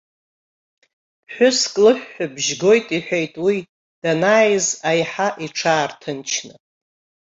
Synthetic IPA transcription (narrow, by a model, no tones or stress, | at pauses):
pʰħʷᶣʊskʼlɨħːabʒɡo̞jtʼiħʷᶣejtʼwi | d̥anaːjzajħaʔiʈ͡ʂʰaːrtʰɨnt͡ʃʰnɨ